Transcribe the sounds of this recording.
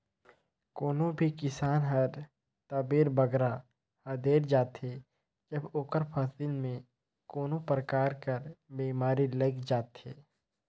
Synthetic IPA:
koːnõbʱikɪsaːnɦɐɾ | t̪əbeːɾbəɡɾa | həd̪eːɾd͡ʒaːt̪e | d͡ʒəboːkəɾpʰasilmẽ | koːnõpɾəkaːɾkəɾbiːmaːɾiləɡd͡ʒaːt̪eː

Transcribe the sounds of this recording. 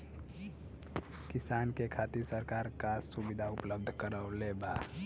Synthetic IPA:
kɪsaːnkekʰaːt̪iɾsəɾkaːɾkasubɪd̪ʱaʊpləb̚d̪ʱkəɾaoleba

